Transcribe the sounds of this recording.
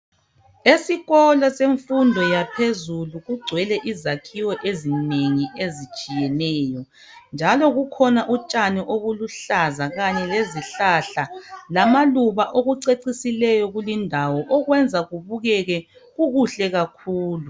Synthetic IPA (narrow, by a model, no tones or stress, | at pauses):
esiɣɔlaseɱfundʱɔjapʰezuluɣuɡ͡ǀʱwɛlɛʔizakʰiwɔʔezineŋiʔezit͡ʃʼijɛnɛːjɔ | nd͡ʒʱalɔɣukʰɔnaʔut͡ʃʼaniʔoɣuluɬazaɣaɲɛleziɬaɬalamaluβaʔoɣuǀeǀisilɛjɔɣulindʱawɔʔɔɣwɛnd͡zʱaɣuβuɣɛɣɛɣuɣuɬɛɣakʰuːlu